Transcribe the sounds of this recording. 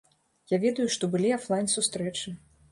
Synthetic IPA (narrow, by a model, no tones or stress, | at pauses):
javʲɛd̪ɐjuʂt̪ɔbɨlʲiaflˠajnsust̪ɾɛt͡ʂɨ